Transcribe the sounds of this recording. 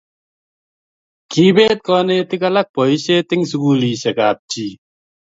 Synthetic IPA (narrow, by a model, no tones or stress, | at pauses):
kiːbeːt̪̚kɔːneːt̪ikɐlɐk̚pɔiɕeːt̪iŋs̬ukuːliːɕekaːp̚t͡ɕiː